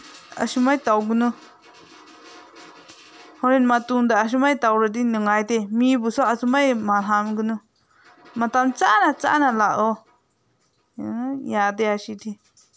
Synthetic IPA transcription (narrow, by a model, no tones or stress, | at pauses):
a̰ʃumajt̪awɡɯnɯ | hɔɾinmat̪uŋd̪aːʃ̬umajt̪awɾəd̪̬inɯŋajt̪emibusaasumajmalɦamɡɯnɯ | mat̪amt͡saʔnat͡sa̰ʔnalaʔd̪ɔ | jat̪̬eaʃit̪ʰi